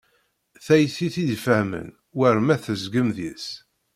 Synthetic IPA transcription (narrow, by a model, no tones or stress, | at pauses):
θæjθiθiðfəhmə̰n | wəɾmæθəzɡəmðḭs